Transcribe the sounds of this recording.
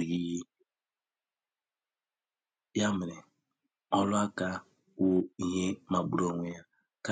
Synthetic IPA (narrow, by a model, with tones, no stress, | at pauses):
ɣi˦je˦ | bja˦mɪ˨ɾe˨ | ɔ˦lʊ˦a˦ka˦ | wo˦i˦˨ɦe˦ma˨ɡ͡bu˦ɾo˨ŋʷe˦ja˦ | ka˦